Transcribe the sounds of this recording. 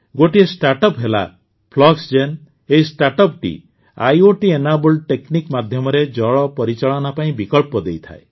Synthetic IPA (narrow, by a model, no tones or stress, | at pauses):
ɡoʈiesʈaɾʈɔpɦela̰ | pʰlɔksd͡ʒen | eɦisʈaɾʈɔp̚ʈḭ | a̰joʈienabulʈeknikmad̪ʱjɔmɔɾed͡ʒɔɭɔpɔɾit͡ʃaɭɔnapaĩbikɔlpɔd̪ejt̪ʰa̰e